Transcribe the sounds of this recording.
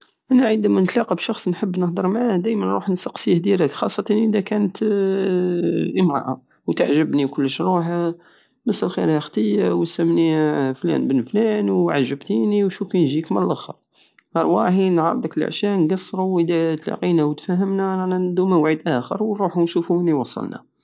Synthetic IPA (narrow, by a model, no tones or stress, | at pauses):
ʔænæʕənd̪æmænət̪lɑqibʃɑxsˤnħəbːnəhd̪əɾˤmʕad̪æjmənɾuħnsɑqsihd̪iɾəkxɑsˤːɑt̪ɑnʔəd̪ækænət̪ | jəmɾɑ̰ʕa | wt̪aʕʒəbnikʊlːəʃɾuħa | məsəlxḭɾhæxt̪ˤəjːawəsæmniflæ̰nbənːflænwʕaʒːəbt̪iniwʃufinʒikməllʔəxə̰ɾ | ɑɾˤwæħinʕɑɾˤd̪ˤəkələ̰ʕʃjæʔnɡɑsˤːɾˤuwəd̪æt̪lɑ̰qinæwt̪fæɦəmnæɾˤɑnæd̪umæwʕid̪ʔæxə̰ɾwɾˤuħunʃufuniwɑsˤːɑ̰lnæ̰